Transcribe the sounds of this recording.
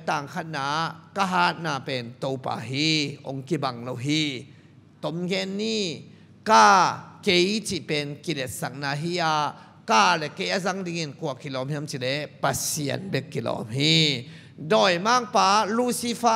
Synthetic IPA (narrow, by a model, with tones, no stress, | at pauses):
t̪aː˨˩ŋkʰa˧t̪̚naː˨˦ka˧ɦaː˦t̪̚naː˨pɛː˨nt̪o˧wpa̰ː˨ɦiː˧˦ʔo̰˨˦ŋki˧ba˨ŋlo˧wɦiː˧˩ | t̪o˨˦mɡɛ˧˦nːiː˧˨ | kaː˧˩ke˦jt͡si˧˨pɛ˨nki˨˧lɛ˨˩t̚sa˨k̚naː˧˨ɦiː˦ʔaː˧ | kaː˧˩lɛ˨ʔke˧˦ja˧˨za˧˦ŋdi˧ŋi˨nku˧˨ɐ˨kːi˨lɔː˨˦mhi˧a˧˦mt͡ɕi˨lɛ˨˦pa˧si˨ə̰˨˩nbe˧˦kːi˨lɔ̰ː˨˦mɦi˧ | dɔː˨jmaː˦˧˨ŋpaː˨˦lu˧˦˨si˦fa˦